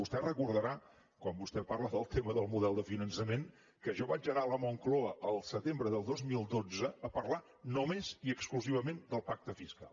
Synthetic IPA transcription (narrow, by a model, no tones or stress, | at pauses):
ust̪ɛrəkuɾðəɾa | kwambust̪ɛparləðəlˠt̪ʰeməðəlˠmuðɛlˠd̪əfinənsəmen | kəʒɔβad͡ʒəɣaləmɔŋklɔəʔəlˠsət̪embɾəðəlˠd̪ozmilˠd̪od͡zəːpərla | nomeziəkskluziβəmend̪əlˠpak̚t̪əfiska̰lˠ